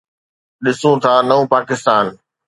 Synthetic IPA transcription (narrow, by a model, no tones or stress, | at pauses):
ɗɪsũt̪ʰaːnɐũpaːkɪst̪aːn